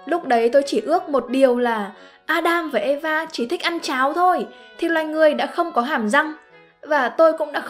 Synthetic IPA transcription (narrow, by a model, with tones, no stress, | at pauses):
lʊ˦˥k͡p̚ɗə˨˦jt̪o˧jt͡ɕi˧˩ʔɨ˦˥ək̚mo˨˩t̚ɗi˨˩əwlaː˨˩ʔaː˧ɗaː˧mvaː˨˩ʔe˧vaː˧t͡ɕi˧˩t̪ʰï˦˥k̟̚ʔa˧nt͡ɕaː˨˦wt̪ʰo˧jt̪ʰi˨˩lwa̰ː˨jŋɨ˨˩əjɗa̰ː˧˥xə˧wŋ͡mkɔ˨˦ɦaː˧˩mza˧ŋ | vaː˨˩t̪o˧jkʊ̰˧˥ŋ͡mɗa̰ː˧˥